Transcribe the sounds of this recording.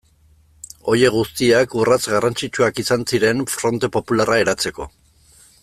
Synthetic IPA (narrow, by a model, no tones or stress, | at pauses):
o̞je̞ɣust̪iakurat͡sɡarant͡sit͡ʃuakisansiɾe̞nfɾo̞nt̪e̞po̞pularae̞ɾat͡se̞ko̞̰